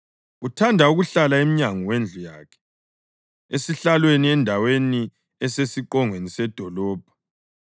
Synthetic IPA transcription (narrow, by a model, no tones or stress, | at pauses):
utʰandʱauɣuɬalaemiɲaŋɔwend͡ɮʱuja̰kʰɛ̥ | esiɬalweniɛndʱaweni | ɛsesiǃɔŋwenisɛd̥ʱɔlɔːb̥ʱḁ